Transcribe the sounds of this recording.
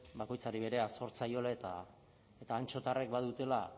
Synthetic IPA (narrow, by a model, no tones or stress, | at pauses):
bako̞jt͡saɾiβe̞ɾe̞aso̞ɾt͡sajo̞laet̪a | e̞t̪aːnt͡ʃo̞t̪are̞kbaðut̪e̞la